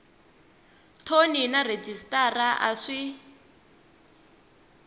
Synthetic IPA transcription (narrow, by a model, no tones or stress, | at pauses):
tʰoninared͡ʒistʼaraʔa̰ʂi